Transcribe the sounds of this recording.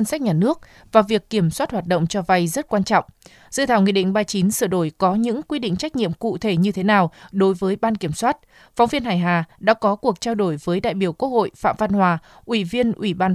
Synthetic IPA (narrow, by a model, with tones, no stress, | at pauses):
ə˧nsa˦˥k̚ɲaː˨˩nɨ˦˥ək̚ | vaː˨˩vi˨˩əkːi˧˩əmswaː˦˥t̚hwaː˨˩t̚ɗə̰˧˨wŋ͡mt͡ɕɔ˧va˧jzə˦˥t̚kwaː˧nt͡ɕɔ̰˧˨wŋ͡m | z̥ɨ̰˧˨t̪ʰaː˧˩wŋḭ˧˨ɗḭ˧˨ŋ̟ɓaː˧jt͡ɕi˨˦nsɨ˧˩ɗo˧˩jkɔ˨˦ɲɨ̰˧˥ŋkwi˧ɗḭ̈˧˨ŋ̟t͡ɕa˦˥k̟̚ɲḭ˧˨əmkṵ˧˨t̪ʰe˧˩ɲɨ˧t̪ʰe˨˦naː˨˩wɗo˨˦jvəː˨˦jɓaː˧nki˧˩əmswaː˦˥t̚ | fɔ˨˦wŋ͡mvi˧ənɦaː˨˧˩jɦaː˨˩ɗa̰ː˧˥kɔ˨˦ku˨˩ək̚t͡ɕaː˧wɗo˧˩jvəː˨˦jɗa̰ː˧˨jɓi˧˩əwkwək̚ho̰˧˨jfa̰ː˧˨mva˧nhwaː˨˩ | ʔwi˧˩vi˧ənʔwi˧˩ɓaː˧